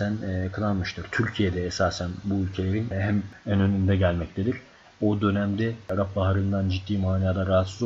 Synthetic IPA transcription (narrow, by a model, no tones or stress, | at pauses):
ænjakʰɯlˠanmɯʃt̪ʰɯɾ̥t̪ʰyɾcʰije̞d̪ɛːsaːsænbuylʲcʰe̞lʲe̞ɾinɦæmænø̞nynd̪ɛɟælʲmɛct̪ʰed̪iɾ̥ | o̞d̪ø̞næmd̪ɛaɾap̚baɦaɾɯnd̪and͡ʒit̪ːiːmaːniaːd̪aɾaɦat̪sɯz